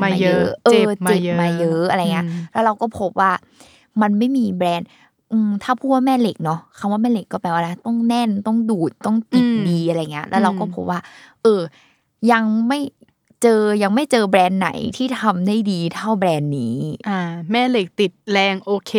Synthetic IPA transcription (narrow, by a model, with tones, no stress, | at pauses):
ma˧a˧jɤ˦˥˦ʔɤː˧˨˩mi˨˩tmaː˧jɤ˦˥ʔa˧ɾa˧jŋi˦˥˦lɛː˦˥ɾa˧wkɔː˥˩pʰo˦˥p̚waː˥˩ | ma˧nma˥˩jmiː˧bɾɛː˧n | ʔɯː˧t̪ʰaː˥˩pʰuː˥˩t̪̚waː˥˩mɛː˥˩le˨˩k̚nɔ˦˥kʰa˧mwaː˥˩mɛː˥˩le˨˩kːɔː˥˩pɛ˧˨˩waː˥˩la˦˧˥t̪ɔ˥˩ŋnɛ˥˩nt̪ɔ˥˩ŋduː˨˩t̪̚t̪ːɔ˥˩ŋt͡ɕi˨˧˩t̪̚diː˧ʔa˧ɾa˧jŋːi˦˥ɐ˧lʔɛː˦˥wɾa˧wkɔː˥˩pʰo˦˥p̚waː˥˩ʔɤː˧ | ja˧ŋma˥˩j | t͡ɕɤː˧ja˧ŋma˥˩jt͡ɕɤː˧bɾɛː˧nːa̰˨˩˦jt̪ʰiː˥˩t̪ʰa˧mda˥˩jdiː˧t̪ʰa˥˩wbɾɛː˧nːiː˦˥ʔaː˧˩mɛː˥˩le˨˩k̚t̪i˨˩t̪̚lɛː˧ŋʔoː˧kʰeː˧